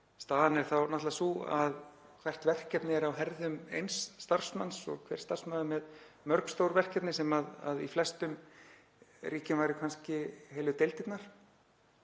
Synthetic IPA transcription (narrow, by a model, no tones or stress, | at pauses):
st̪aːðanɛɾ̥θawnaht̪lasua̰ð | kʰv̥ɛr̥t̪vɛr̥kɛpnɪɛɾawɦɛɾðʏmḛjnsːt̪ar̥smansɔ̰ɣkʰv̥ɛ̰ɾ̥st̪ar̥smaːðʏmɛð | mœɾkst̪owɾvɛr̥kɛp̪nɪsɛmaða̰ðḭflɛst̪ʏm | riːcɪnvajɾɪkʰanscɪheːjlʏt̪ejlt̪ɪt̪naɾ̥